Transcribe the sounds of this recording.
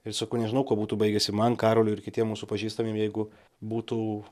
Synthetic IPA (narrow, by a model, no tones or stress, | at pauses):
ɪrsɐkɐʊnʲɛʒʲɪnɐʊkoɔbuːt̪uːbɐɪɡʲɛsʲɪmɐnkɑːɾoːlʲʊɪɾkʲɪt̪ʲiɛmuːsupɐʒʲiːst̪ɐmʲiɛmjɛɪɡʊ | buːt̪uː